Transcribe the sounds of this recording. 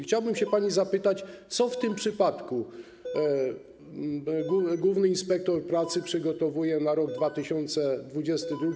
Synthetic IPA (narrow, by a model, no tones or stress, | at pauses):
xt͡ɕawbɘmɕɛpaɲizapɘt̪at͡ɕt̪sɔft̪ɘmpʂɘpat̪ku | ɡuɡwuvnɘinspɛk̚t̪ɔɾpɾat̪sɘpʂɘɡɔt̪ɔvujɛnaɾɔɡd̪vat̪ɘɕɔnt̪sɛd̪vud͡ʑɛst̪ɘd̪ɾuɡʲ